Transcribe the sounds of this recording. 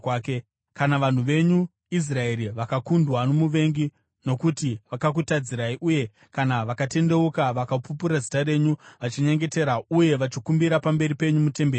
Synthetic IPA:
k | kanaʋan̤uʋe̞ɲu | is̬rae̞ɾiʋakakundwano̞muʋe̞ŋɡi | no̞kutiʋakak̬utad͡ziɾaiʔuje̞ | kanaʋakate̞nde̞ukaʋakapupuɾazitare̞ɲuʋat͡ʃiɲe̞ŋɡe̞te̞ɾauje̞ʋat͡ʃikumbiɾapambe̞ɾipe̞ɲumute̞mbeːri

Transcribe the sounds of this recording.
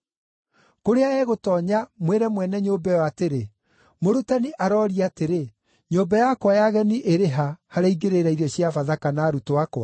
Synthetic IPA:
koɾeaɛɣotɔːɲamweɾɛmwɛnɛɲombɛjɔateɾe | moɾutaniʔaɾɔːɾiateɾe | ɲoːbajakwajaɣɛniʔeɾeɦahaɾaiɡeɾeɾaiɾɔɕiafaðakanaɾutoakwa

